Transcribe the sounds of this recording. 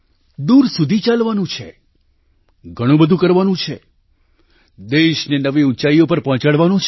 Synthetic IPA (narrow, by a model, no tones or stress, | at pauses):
d̪uɾsud̪ʱit͡ʃalʋanũt͡ʃʰe | ɡʱəɽ̃ũbəd̪ʱũkəɾʋanũt͡ʃʰe | d̪eʃnenəʋiut͡ʃaiopəɾpɔ̃t͡ʃaɽʋanũt͡ʃʰ